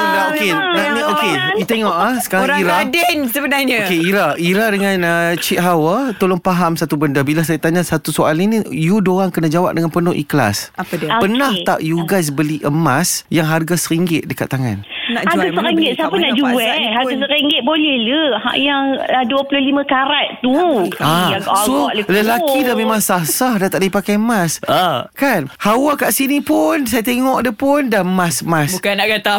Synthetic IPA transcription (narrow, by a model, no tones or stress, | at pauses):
okenaokeit̪eŋɔʔasə̥kaɾŋɾaiɾadɛnsəbənaɲkeiɾaiɾadəŋanət͡ʃiʔ̪̚ɦawət̪olɔŋpaɦamsat̪ubəndəbilasajat̪aɲasat̪usoalinijudoɾaŋkənad͡ʒawa̰p̚dəŋanpənʊʔḭkəla̰sapadpənaht̪a̰ʔjuɡajs̬bəliʔəmasjaŋɦarɡasəɾiŋɡɪt̪̚dəka̰t̪ːaŋa̰nnaɡasəɾiŋɡɪt̪̚sapənaʔd͡ʒuɛɦaɡasəɾiŋɡɪt̪̚bolɛhləha̰ʔjaŋaduəpulʊhlimãkaɾatt̪uaɡsoʔlələlakidamemãŋsasahdat̪aʔdipakajmaskanhawakaʔsinipʊns̬ajat̪eŋɔʔdəpʊndaəmasmasbukanaʔɡat̪a